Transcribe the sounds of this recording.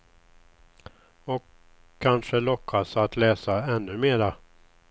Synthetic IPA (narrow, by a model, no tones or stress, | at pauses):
ɔkʰː | anʂəlɔkʰːasat̪lɛːsaɛnːɵmeːɾa